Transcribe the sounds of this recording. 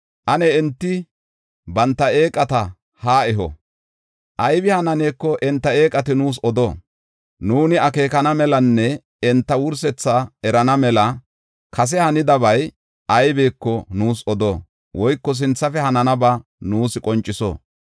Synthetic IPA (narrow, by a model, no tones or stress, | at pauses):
ʔɐnɛɛnt̪ːɪ | bɐnt̪ːɐe̞ːkʼɐt̪ɐ | haːɛɦɔ̰ | ʔɐjbɪhɐnɐneːkːɔʔɛnt̪ːɐe̞ːkʼɐt̪ɪnuːs̬ɔd̪o̰ː | nuːnɪɐke̞ːkɐnɐmɛlɐnːɛ | ɛnt̪ːɐwʊɾsɛt͡sːaɛɾɐnɐmɛlɐ | kɐs̬ɛhɐnɪd̪ɐbɐj | ʔɐjbeːkːɔnuːsɔd̪oː | wʔɔjkːɔs̬ɪnt͡sːɐfɛhɐnɐnɐbɐnuːsɪkʼɔnt͡ʃʼːɪsɔ̰ː